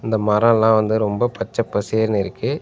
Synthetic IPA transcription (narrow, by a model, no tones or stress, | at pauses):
ɪnd̪ɐmɐɾɐ̃ɛlːãːʋɐnd̪ɯɾɔmbɐpɐt͡ʃːɐpːɐseːɾnɪɾɯkːɯ